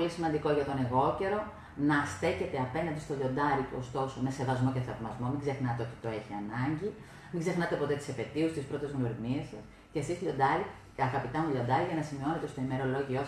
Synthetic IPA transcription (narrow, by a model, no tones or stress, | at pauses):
lisimɐnd̪iko̞ʝɐt̪o̞ne̞ɣo̞ce̞ɾo̞ | nɐst̪e̞çe̞t̪e̞ɐpe̞nɐnd̪ist̪oʎo̞nd̪ɐɾit̪uost̪o̞some̞se̞vɐzmo̞ceθɐvmɐzmo̞miɡze̞xnɐt̪eo̞t̪i̥t̪o̞e̞çiɐnɐɲɟi | miŋɡze̞xnɐt̪e̞po̞t̪e̞t̪isepe̞t̪iusst̪ispɾo̞t̪e̞zɣnoɾimiesɐs | cest̪isʎo̞d̪ɐɾi | ɐɣɐpit̪ɐmuʎo̞nd̪ɐɾiʝɐnɐsimio̞ne̞t̪e̞st̪oime̞ɾo̞lo̞ʝio